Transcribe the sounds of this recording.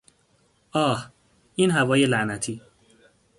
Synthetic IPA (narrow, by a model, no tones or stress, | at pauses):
ʔɒːh | ʔiːnɦævɒːje̞læʔnæt̪ʰiː